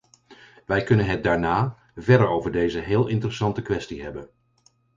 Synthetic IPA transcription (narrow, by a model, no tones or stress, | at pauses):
ʋɛjkɵnənɦɛt̚daːɹnaː | vɛɹdəɹowvəɹdejzəɦɪːlˠɪntərəsɑntəkʋɛstiɦɛbən